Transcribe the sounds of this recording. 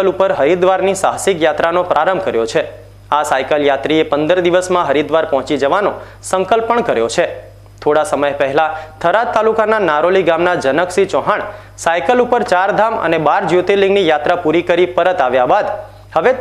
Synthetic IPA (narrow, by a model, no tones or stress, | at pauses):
əlupəɾɦəɾid̪ʋaɾnisaɦsikjat̪ɾanopɾaɾəmbʱkəɾjot͡ʃʰe | asajkəljat̪ɾiepənd̪əɾd̪iʋəsmãɦəɾid̪ʋaɾpɔɦɔ̃t͡ʃid͡ʒəʋanõ̰ | səŋkəlpəɳkəɾjot͡ʃʰe | t̪ʰoɽasəməjpəɦɛlat̪ʰəɾatt̪ːalukananaɾoliɡamnad͡ʒənəksit͡ʃɔɦaɳ | sajkəlupəɾt͡ʃaɾd̪ʱamə̰nebaɾd͡ʒjut̪elĩŋɡnijat̪ɾapuɾikəɾipəɾət̪aʋjabad̪ | həʋe